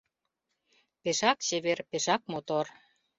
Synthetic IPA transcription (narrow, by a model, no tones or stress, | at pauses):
peʃɑkt͡ɕeβerpeʃɑk̚mot̪or